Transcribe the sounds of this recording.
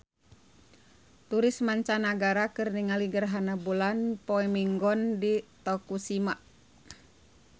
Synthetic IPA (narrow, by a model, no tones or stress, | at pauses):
t̪uɾismaɲt͡ʃanaɡaɾakɨrniŋaliɡərɦanabulanpɔɛmiŋɡɔndit̪ɔkusima